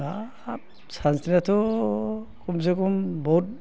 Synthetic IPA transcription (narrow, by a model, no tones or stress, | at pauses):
a | sansinatʰɔ | kums̬ekumbɔut̚